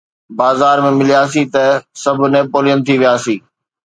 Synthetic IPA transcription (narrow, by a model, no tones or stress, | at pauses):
baːzaːɾmẽmɪlijaːsit̪ɐsɐbʱʊnẽːpoːlijənt̪ʰiʋijaːsiː